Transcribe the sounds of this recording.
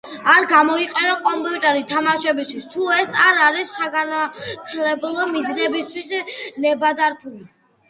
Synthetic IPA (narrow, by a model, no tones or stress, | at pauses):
aɾɡamɔiqʼɛnɔkʼɔmpʼiut̪ʼɛɾit̪ʰamaʃɛbist̪ʰwist̪ʰuɛsaɾaɾisːaɡant̪ʰlɛblˠɔmizɾɛbist̪ʰwisnɛbad̪aɾt̪ʰuli